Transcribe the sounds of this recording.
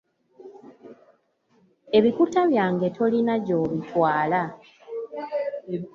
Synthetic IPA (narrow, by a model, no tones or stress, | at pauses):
e̞βikutaβjaːŋɡe̞tʰo̞linaɟo̞ːβitʰwaːla